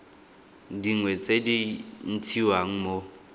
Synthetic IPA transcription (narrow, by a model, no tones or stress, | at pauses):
diŋwɛt͡sʼedin̩tʰiwaŋ̩mo